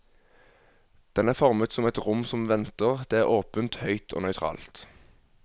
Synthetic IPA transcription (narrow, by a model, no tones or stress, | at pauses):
d̪̥ɛnæːʁfɔʁmət̪sɔmɛt̪ʁʊmsɔmʋɛnt̪əʁd̪̥eːæːʁoːpənt̪hœʏt̪ʰo̰ːnœʏt̪ʰʁɑ̰ːlt̪